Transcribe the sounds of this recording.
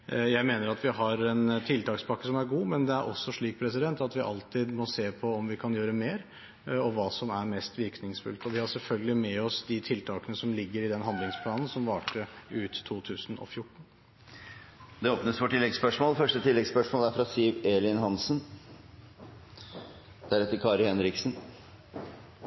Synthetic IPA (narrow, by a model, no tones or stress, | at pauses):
jæɪmeːnəɾɑt̪ʋɪɦɑɾɛnt̪ʰɪlt̪ʰɑːkspʰɑkːəsɔmæɾɡuːmɛnd̪ɛæɾʔɔ̰sːɔʂɭiːk̚pʰɾɛsɪd̪ɛnt̪ɑt̪ʋɪʔɑ̰lt̪ɪd̪mɔseːpʰɔɔmʋɪkʰɑnjøːɾəmeːɾ | ɔʋɑːsɔmæɾmɛst̪ʋɪɾknɪŋsfʉ̰lt̪ɔʋɪhɑsɛlfœlɡəlɪmɛɔsd̪ɪt̪ʰɪlt̪ʰɑːkənəsɔmlɪɡːəɾɪd̪ɛnɦɑnd̪lɪŋspʰlɑːnn̩sɔmʋɑːʈəʉːt̪ʰːuːt̪ʰʉːsən̩ɔ̰fjʊʈːɳ̩ | d̪ɛoːpnəsʋɔʈʰɪlːɛɡspœʂmoːlfœʂʈət̪ʰɪlːɛɡspœʂmoːlæɾfɾɑsiʋelɪnɦɑnsn | d̪̥æɾɛt̪ːəɾkʰɑːɾhɛnɾɪksən